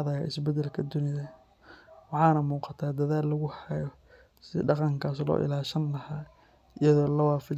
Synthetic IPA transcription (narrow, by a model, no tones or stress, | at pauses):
ðɐjaɪsbɛd̪ɛlkʰɐd̪ʊnɪðɐ | wɑħɑːnɐmuːqɑt̪ʰaːd̪ɐðaːlːɐɣʊhɛjɔ | sɪ̰ɖɑqɑŋkʰaːslɔ̰ːʔɪ̰laːʃɐnlɐhaː | ʔɪjɐðɔːlɐwɑːfɪ